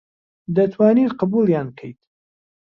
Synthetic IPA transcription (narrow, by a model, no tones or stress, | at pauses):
d̪ɐt̪ʰwaːniːt̪qəbuljaːnkʰəjt̪